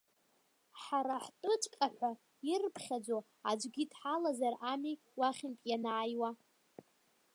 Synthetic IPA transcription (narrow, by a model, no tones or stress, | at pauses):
ħaɾaħtʼɨt͡ʃʼkʼaħʷa | irpʰχʲad͡zo | ad͡ʒʷɡʲidħalazarami | waχʲɪntʼjanaːjwa